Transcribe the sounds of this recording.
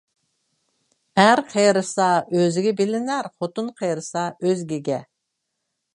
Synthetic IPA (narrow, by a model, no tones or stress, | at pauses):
hæɾqʰejɾɨsɑøzɪɡʲɛbɪlɪnæɾχot̪unqʰejɾɨsɑøzɡʲiɡʲɛ